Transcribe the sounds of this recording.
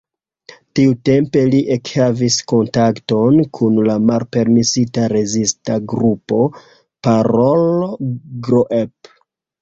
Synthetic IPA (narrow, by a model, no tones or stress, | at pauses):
tiute̞mpe̞liʔekhavisko̞ntakto̞nkʰunlamalpe̞ɾmisitaɾe̞zistaɡɾupo̞ | paɾol | ɡɾoʔep